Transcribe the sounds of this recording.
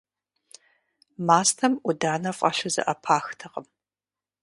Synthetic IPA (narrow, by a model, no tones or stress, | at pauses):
maːstʰɐmʔʷʊdaːnɐfʼɐ̰ʃɨzɨ̰ʔɐpʰaːxtʰɐqəm